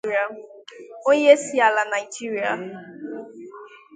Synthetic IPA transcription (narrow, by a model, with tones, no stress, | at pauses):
a˨ | o˦ɲe˦si˨a˨la˨na˨i˨d͡ʒi˦ɾi˨a˨